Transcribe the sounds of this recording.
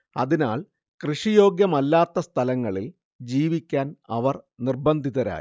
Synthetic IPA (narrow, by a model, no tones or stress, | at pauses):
ɐ̰ðinaːɭ | krɨʂijo̞ːɡjɐmɐlːaːt̪ːɐst̪ʰɐlɐŋːɐɭil | d͡ʑiːʋikʲːaːnɐʋɐrnirbɐnd̪ʱiðɐɾa̰ːj